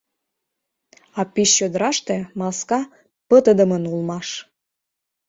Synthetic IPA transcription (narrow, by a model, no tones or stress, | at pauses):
ɑpiʃːød̪əɾɑʃt̪emɑskɑ | pət̪əd̪ə̆mənulˠmɑʃ